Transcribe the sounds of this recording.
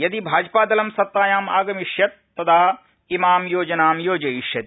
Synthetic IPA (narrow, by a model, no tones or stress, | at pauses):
jɐd̪ibʱaːd͡ʒpaːd̪ɐlɐmsɐt̪ːaːjaːma̰ːɡɐmiʂjɐt̪̚ːɐd̪aː | imaːmjoːd͡ʒɐnaːmjoːd͡ʒɐjiʃjɐt̪i